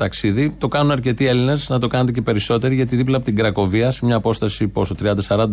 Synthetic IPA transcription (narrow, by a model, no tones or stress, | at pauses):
t̪ɐksiðit̪o̞kɐnunɐɾce̞t̪ie̞line̞znɐt̪o̞kɐnet̪ece̞pe̞ɾiso̞t̪e̞ɾiʝɐt̪iðiplɐpot̪iɡɾɐko̞viɐsemɲɐːpo̞st̪ɐsiposot̪ɾiɐnd̪ɐsɐɾɐnd̪